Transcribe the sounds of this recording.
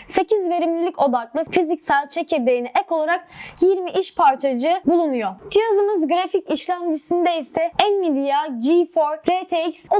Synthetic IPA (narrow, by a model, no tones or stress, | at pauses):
se̞cʰizve̞ɾimlʲilʲico̞d̪aklˠɯfizicsælʲt͡ʃʰecʰed̪eɾiniʔɛko̞lˠaɾak̚jiɾmiʔiʃpʰaɾt͡ʃʰad͡ʒɯbulˠunujod͡ʒijazɯmɯzɡɾaficiʃlʲæmd͡ʒisind̪eisɛænmid̪ijaɟifoɾɾet̪ʰecso